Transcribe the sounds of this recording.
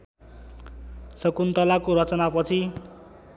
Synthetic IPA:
sʌkunt̪ʌlakoɾʌt͡sʌnapʌt͡sʰi

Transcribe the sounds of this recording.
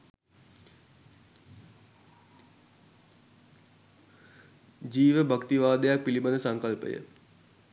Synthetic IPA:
d͡ʒiːʋəbʱəkt̪iʋaːd̪əjak̚pilibənəsɐŋkəlpə̰jə̰

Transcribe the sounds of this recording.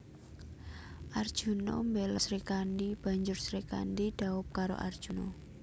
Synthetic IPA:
ʔard̥ʒ̥ṳno̰mbelasɾikandib̥a̤ɲd͡ʒʊrsɾika̰ndiɖ̥a̤ʊp̚kaɾo̰ʔa̰rd̥ʒ̥uno̰

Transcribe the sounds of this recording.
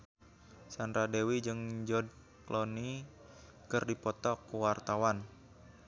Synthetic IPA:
sand̪ɾadewid͡ʒɨŋd͡ʒɔd̚ | kloni | kɨrdipɔt̪ɔkuwart̪awan

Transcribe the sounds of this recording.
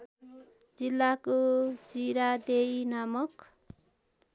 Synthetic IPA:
d͡zilːakod͡ziɾad̪ejnamʌk

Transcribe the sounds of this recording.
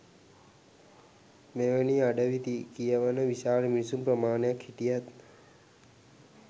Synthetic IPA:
meʋəniaɖəʋit̪ikijəʋanəʋiʃaːɾmisumpɾəmaːɳekʰiʈijət̪

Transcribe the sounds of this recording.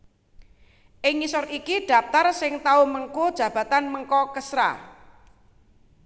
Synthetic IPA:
ʔɪŋːisɔɾikiɖ̥a̤p̚t̪arsɪŋt̪auməŋkud̥ʒ̥ä̤b̥ä̤t̪anməŋkɔkəsɾa̰

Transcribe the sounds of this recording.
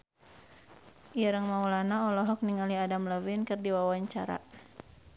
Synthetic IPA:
ʔiɾəŋmaulanaɔlɔɦɔk̚niŋaliadamləvinkɨrdiwawaɲt͡ʃaɾa̰

